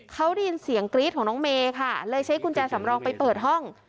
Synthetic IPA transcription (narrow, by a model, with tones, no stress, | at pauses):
kʰa˦˥wdiː˧nsi˩˦əŋkɾi˦˥t̪̚ʰɔː˩˦nɔː˦˥ŋmeː˧kʰa˥˩lɤː˧jt͡ɕʰa˦˥jkʰu˧nt͡ɕaː˧sa˩˦mɾɔː˧ŋpa˧jpɤː˨˩t̪̚ɦɔ˥˩ŋ